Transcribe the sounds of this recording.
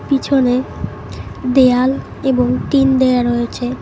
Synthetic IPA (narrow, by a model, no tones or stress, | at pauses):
pit͡ɕʰone | d̪eal | eboŋʈind̪eaɾojet͡ɕʰe